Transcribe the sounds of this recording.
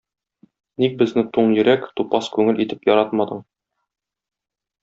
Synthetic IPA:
nik̚bɘ̆znɘt̪uɴjɘ̆ɾækt̪upɑskʉŋɘlʔit̪ɘpjɒɾɑt̪mɑd̪ɤɴ

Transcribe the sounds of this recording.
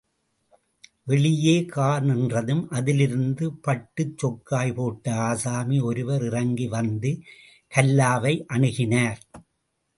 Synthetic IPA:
ʋɛɭɪjeːkaːɾnɛndrɐðɯmʔɐðɪlɪɾɯnd̪ɯpɐʈːɯt͡ʃːɔkːaːjpoːʈːɐaːsaːmiɔɾɯʋɐɾɪrɐŋɡiʋɐnd̪ɯ | kɐlːaːʋɐɪʔɐɳɯɣɪnaːɾ

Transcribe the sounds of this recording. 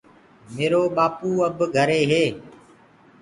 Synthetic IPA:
meːɾoːɓaːpuːəbɡʱəɾeːɦeː

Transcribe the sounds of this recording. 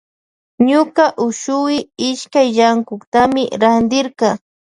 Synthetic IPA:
ɲʊkɑʔʊʃʊwɪɪʃkajʎaŋkʊkt̪amɪɾand̪ɪɾqɑ

